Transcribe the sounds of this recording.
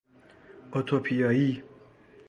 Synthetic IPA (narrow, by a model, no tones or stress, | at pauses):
ot̪ʰopʰijɒːi